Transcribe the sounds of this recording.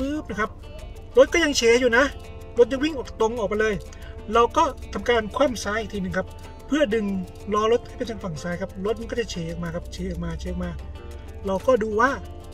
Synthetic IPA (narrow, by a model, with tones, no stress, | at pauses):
ɯː˦˥˨p̚na˧˦˩kʰa˦˥p̚ | ɾo˦˥t̪̚kɔː˥˩ja˧ŋt͡ɕʰeː˨˧˥juː˨˩na˦˥ | lo˦˥t̪̚ja˧ŋwi˥˩ŋʔɔː˨˩k̚t̪o˧ŋʔɔː˨˩k̚ma˧lɤː˧j | ɾa˧wkɔː˥˩t̪ʰa˧mkaː˧nkʰwaː˥˩˨msaː˦˥jʔi˨˩t̪ʰiː˧nɯ˨˩ŋkʰa˦˥p | pʰːɯ˥˩ɐdɯ˧ŋ | lɔː˦˥ɾo˦˥t̪̚kʰaː˥˩pe˧nt͡ɕ̪ʰa˧ŋfa˨˩ŋsaː˦˥jkʰa˦˥p̚ɾo˦˥t̪̚ma˧nkɔ˥˩t͡ɕɛ˨˩t͡ɕʰeː˨˧ʔɔː˨˩k̚maː˧kʰa˦˥p̚t͡ɕʰeː˨˦ʔɔː˨˩k̚maː˧t͡ɕʰeː˦ʔ̚maː˧ | ɾa˧wkɔː˥˩duː˧waː˥˩